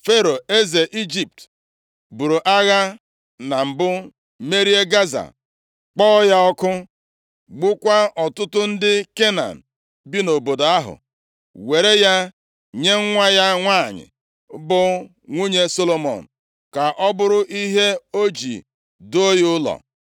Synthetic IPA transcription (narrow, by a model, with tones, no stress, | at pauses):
fe˦ɾo˨e˦ze˨ʔi˦d͡ʒi˨p̚t | bu˨ɾu˨ʔa˦ɣa˦ | na˨m̩˨bʊ˦ | me˦ɾi˦e˦ɡa˦za̰˨ | k͡pɔ˦ja˦ɔ˦kʊ˦ | ɡ͡bʊ˦kʷa˦ɔ˨tʊ˦tʊ˦n̩˦dɪ˦ke˦na̰˨n̩˨ | bi˦no˨bo˨do˨a˦ɦʊ̰˨ | we˨ɾe˦ja˦ | ɲe˦ŋ̩˦ŋʷa˦ja˦ŋʷa˦˨ɲɪ̰˨˦ | bʊ˦ | ŋʷu˦ɲe˦so˦lo˨mɔ̰˨n̩˨ | ka˨ʔɔ˦bʊ˦ɾʊ˦ʔi˦ɦe˦o˦d͡ʒḭ˨ | do˦o˦jʊ˦ʊ˦lɔ̰˨